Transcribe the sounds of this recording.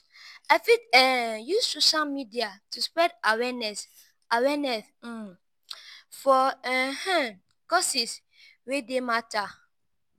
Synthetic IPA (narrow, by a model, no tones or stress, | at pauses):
ɛfitɛjussoʃalmidiatuspɹɛdawɛnɛs | awɛnɛs̩ | fɔɛhɛ̃ | kɔsis | wedemata